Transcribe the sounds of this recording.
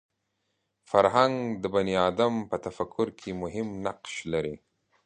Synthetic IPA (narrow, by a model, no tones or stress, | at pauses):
faɾɦaŋɡd̪əbaniɑd̪ampət̪afakʰːʊɾkʰemʊɦɪmnaqʃlaɾi